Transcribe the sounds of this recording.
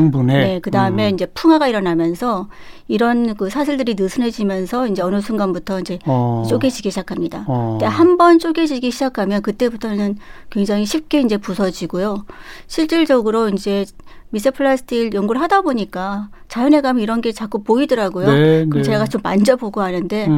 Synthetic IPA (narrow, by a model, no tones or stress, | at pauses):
nbunene̞kɯdaɯme̞ind͡ʑe̞pʰuŋaɡaiɾʌnamjʌnsʰʌ | iɾʌnkɯsʰaɕʰiɭdɯɾinɯsʰɯnɦe̞d͡ʑimjʌnsʰʌind͡ʑe̞ʌnɯsʰunɡanbutʰʌind͡ʑe̞t͡ɕ͈oɡed͡ʑiɡiɕʰid͡ʑakʰamɲidat͈ehambʌnt͡ɕ͈oɡʰe̞d͡ʑiɡiɕʰid͡ʑakʰamjʌnkɯt͈e̞butʰʌnɯnkwe̞ŋd͡ʑaŋiɕʰip̚k͈e̞ind͡ʑe̞pusʰʌd͡ʑiɡojoɕʰiɭt͡ɕ͈iɭd͡ʑʌɡɯɾoind͡ʑe̞ | mis̬͈ʰɯpʰɯɭːasʰɯ̥tʰiɡjʌŋɡuɭɦadaboɲik͈a | t͡ɕajʌne̞ɡamiɾʌnɡet͡ɕak͈upoidʌɾaɡojokɯt͡ɕe̞ɡat͡ɕomːa̰nd͡ʑʌpoɡohanɯnde̞